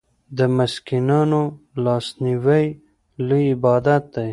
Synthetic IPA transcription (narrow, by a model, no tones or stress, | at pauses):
d̪əmɪskinɑno | lɑsniwaj | liɪbɑd̪at̪̚d̪aj